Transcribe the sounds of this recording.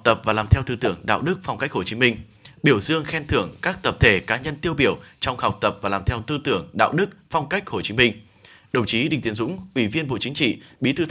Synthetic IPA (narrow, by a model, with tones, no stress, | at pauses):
k͡p̚t̪ə˨˩p̚vaː˨˩laː˨˩mt̪ʰɛ˧wt̪ɨ˧t̪ɨ˧˩əŋɗa̰ː˧˨wɗɨ˦˥k̚fɔ˧wŋ͡mka˦˥jk̚ho˧˩t͡ɕi˨˦mï˧ŋ̟ | ɓi˧˩əwzɨ˧əŋxɛ˧nt̪ʰɨ˧˩əŋkaː˦˥k̚t̪ə˨˩p̚t̪ʰe˧˩kaː˨˦ɲə˧nt̪i˧əwɓi˧˩əwt͡ɕɔ˧wŋ͡mha˨˩wk͡p̚t̪ə˨˩p̚vaː˨˩laː˨˩mt̪ʰɛ˧wt̪ɨ˧t̪ɨ˧˩əŋɗa̰ː˧˨wɗɨ˦˥k̚fɔ˧wŋ͡mka˦˥jk̚ho˧˩t͡ɕi˨˦mï˧ŋ̟ | ɗə˨˧˩wŋ͡mt͡ɕi˨˦ɗḭ˨ŋ̟t̪i˨˦ənzʊ̰˧˥ŋ͡mʔwi˧˩vi˧ənɓo̰˧˨t͡ɕï˨˦ŋ̟t͡ɕḭ˧˨ɓi˨˧˥t̪ʰɨ˧